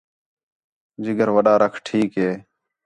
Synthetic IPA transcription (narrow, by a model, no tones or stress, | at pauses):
d͡ʒɪɡəɾʋəɗaːɾəkʰʈʰiːkɦeː